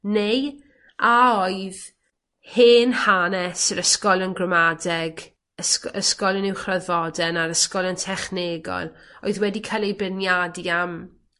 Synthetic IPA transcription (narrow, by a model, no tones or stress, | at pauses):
nej | aoɨð | heːnhanɛsəɾəskɔlˠənɡrɔmadɛɡ | əsəskɔlˠənɪwχrɔðvɔdɛnaɾəskɔlˠəntʰɛχneːɡɔ̰lˠoɨðwɛdikʰajlˠejbənjadam